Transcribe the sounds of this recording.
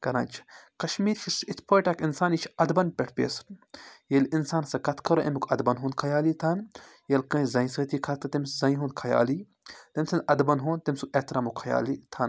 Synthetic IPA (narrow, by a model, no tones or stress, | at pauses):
kɐɾãːnt͡ʃʰkɐʃmiːɾʃʰisit̪ʰpʰoːjʈakinsaːnit͡ʃʰɐd̪bɐnpʲeʈʰpʲḛːsɾjelinsaːnsɐkɐt̪ʰkʰɐɾoʔḛmikʰɐd̪bɐnɦund̪̚kʰɐjaːliːt̪ʰɐn | jelkɐ̃ːzɐĩsɐt̪iːkʰɐt̪ɨt̪imszɐ̃ĩɦũːnd̪kʰɐja̰ːli | t̪emʲsʰɐnd̪ɐd̪bɐnɦõːnt̪emʲsuet̪ɾaːmukʰɐja̰ːlit̪ʰɐn